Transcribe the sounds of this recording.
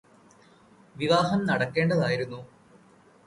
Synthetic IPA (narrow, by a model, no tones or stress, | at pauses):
ʋiʋaːɦɐmnɐɽɐkːe̞ːɳɖɐðaːjiɾunːu